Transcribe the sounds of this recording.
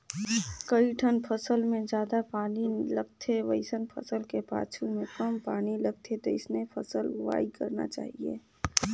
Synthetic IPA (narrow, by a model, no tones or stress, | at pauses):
kəiʈʰənpʰəsəlmẽd͡ʒjaːd̪apaːnilɐɡt̪ʰeʋəɪsənpʰɐ̰səlkepa̰ːt͡ʃʰumẽkɐmpaːnilɐɡ̚t̪ʰet̪oɪsnepʰəsəlwa̰ːikɐɾna̰t͡ʃa̰ːɦiḛː